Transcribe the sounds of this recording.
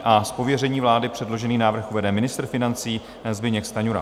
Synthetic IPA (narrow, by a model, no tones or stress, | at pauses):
ʔaspo̞vjɛrɛɲiːvlaːdɪpr̝̥ɛdlo̞ʒɛniːnaːvr̩xuvɛdɛmɪnɪst̪r̩fɪnant͡siː | zbɪɲɛkst̪aɲuɾa̰